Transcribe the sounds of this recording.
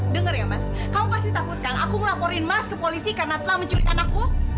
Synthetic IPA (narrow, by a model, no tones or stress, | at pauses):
dəŋərjamaskamupasdit̪akut̪̚kana̰kuŋəlapoɾɪnmaskəpolisikarnat̪əlahməɲt͡ʃuɾit̪̚kanaku